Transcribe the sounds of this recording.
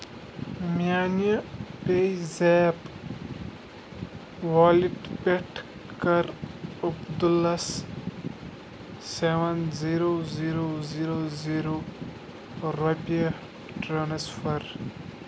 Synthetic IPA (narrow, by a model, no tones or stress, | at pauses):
mijaːnjɐpeizeːp | waːliʈpeʈʰ | kɐɾɐbd̪ulɐs | seʋɐnziɾoziɾoziːɾoziːɾo | ɾɐpijɐ | ʈɾɐnesfɐɾ